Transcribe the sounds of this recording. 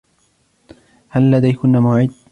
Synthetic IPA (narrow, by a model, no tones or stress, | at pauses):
halːad̪ajkʊnːaːmʊʕɪd̪̚